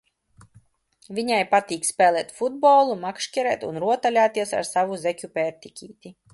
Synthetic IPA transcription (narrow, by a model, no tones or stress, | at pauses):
vʲiɲajpat̪ʲiːkspʲɛːlˠɛːt̪fud̪̚bɔːlˠumakʃkʲɛɾɛːt̪unɾuɔt̪alʲaːt̪iɛsa̰ɾsavuzɛkʲupʲɛɾt̪ikʲiːt̪ʲi